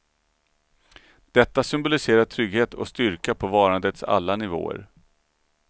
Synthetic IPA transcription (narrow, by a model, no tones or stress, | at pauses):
d̪̥ɛt̪ːasʏmbʊlɪseːɾaʈʰɾʏɡheːt̪ʰɔ̰st̪ʏɾkapʰɔvɑːɾand̪ət̪sa̰lːanɪvo̰ːə̰ɾ